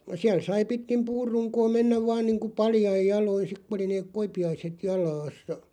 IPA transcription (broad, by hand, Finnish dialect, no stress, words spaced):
siæl sɑi pitkim puːrːuŋkoː menːæʋ ʋɑːn niːŋku pɑljɑij jɑloin̞ sik ku oli neːk̆ koipiɑiset jɑlɑːsːɑ